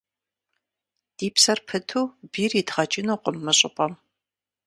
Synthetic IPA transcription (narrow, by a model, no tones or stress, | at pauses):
d̥iːpsɐrpʰɨtʰuːbiːridʁɐt͡ʃʼɪnuːqʷʼʊmːɨɕʼɪpʼɐm